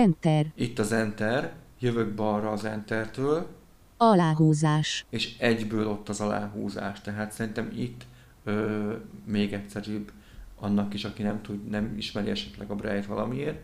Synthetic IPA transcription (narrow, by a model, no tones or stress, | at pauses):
ɛnt̪ɛrit̪ːɒzɛnt̪ɛrjøvøɡ̚bɒrɒːzɛnt̪ɛrt̪øːl | ɒlaːɦuːzaːʃeːʃɛɟbøːlo̞t̪ːɒzɒla̰ːɦṵːza̰ːʃt̪ɛɦaːt̪sɛɾint̪ɛmit̪ː | øːmeːɡɛtsɛɾyːb | ɒnːɒkiʃɒkinɛmt̪ud̪nɛmḭʃmɛɾiɛʃɛt̪lɛɡɒbrɛjt̪ʋɒlɒ̰mieːr